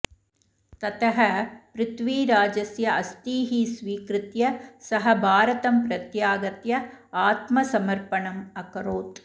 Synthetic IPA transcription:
t̪ɐt̪ʰɐɦɐpɾɪt̪ʋiːɾaːd͡ʒɐsjɐɐst̪iːɦiːsʋiːkɾɪt̪jɐsɐɦɐbʱaːɾɐt̪ɐmpɾɐt̪jaːɡɐt̪jɐaːt̪mɐsɐmɐɾpɐɳɐmɐkɐɾoːt̪

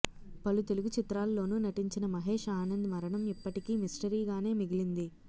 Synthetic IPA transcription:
pɐlut̪e̞luɡut͡ʃit̪ɾaːlːo̞ːnunɐʈiɲt͡ʃinɐmɐɦe̞ːʂaːnɐnd̪ɐmɐɾɐɳɐmipːɐʈikiːmisʈɐɾiːɡaːne̞ːmiɡilind̪i

